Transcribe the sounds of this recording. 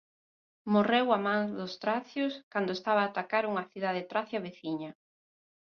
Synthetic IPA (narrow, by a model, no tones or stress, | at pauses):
morewamãŋðʊst̪ɾaθjʊskand̪oest̪aβ̞aːt̪akaɾuŋɐθiðaðet̪ɾaθjɐβeθiɲɐ